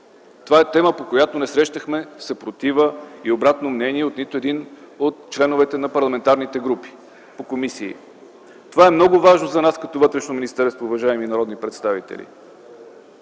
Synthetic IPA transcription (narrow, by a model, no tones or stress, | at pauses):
t̪ovaɛt̪ɛməpokojat̪onɛsɾɛʃt̪əxmɛsɐpɾot̪ivəiobɾat̪nomnɛniɛot̪nit̪oɛd̪in | ot̪̚t͡ʃlɛnʊvɛt̪ɛnɐpɐɾlˠɐmɛnt̪aɾnit̪ɛɡɾupi̥ | pokomisḭː | t̪ovaɛmnɔɡʊvaʒnozɐnaskɐt̪ɔvɤt̪ɾɛʃnominʲist̪ɛɾst̪voːvɐʒaɛminɐɾɔd̪nipɾɛt̪st̪avit̪ɛ̰lḭ